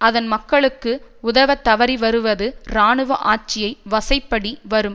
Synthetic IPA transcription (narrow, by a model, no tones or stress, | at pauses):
ɐðɐnmɐkːɐɭɯkːɯʊðɐʋɐt̪ːɐʋɐɾiʋɐɾɯʋɐðɯɾaːɳɯʋɐ̰ʔaːʈ̚t͡ʃːɪjɐɪʋɐsɐɪpːɐɽiʋɐɾɯm